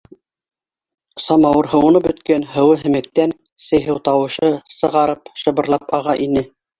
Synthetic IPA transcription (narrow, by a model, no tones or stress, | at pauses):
sɑmɑwɤɾɦɤ̆wɤ̆nɤbɵ̆t̪kænɦɤ̆wɤɦɘ̆mɘ̆k̚t̪æn | sɘ̆jɦɘwt̪ɑwɤ̆ʃɤsɤ̆ʁɑɾɤpʃɤ̆βɤ̆ɾlˠɑpɑʁɑʔinɘ